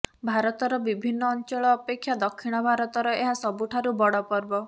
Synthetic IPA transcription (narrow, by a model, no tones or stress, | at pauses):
bʱaɾɔt̪ɔɾɔbibʱinːɔːnt͡ʃɔɭɔːpekʰːjad̪ɔkʰːiɽ̃ɔbʱaɾɔt̪ɔɾɔeɦasɔbuʈʰaɾubɔɽɔpɔɾbɔ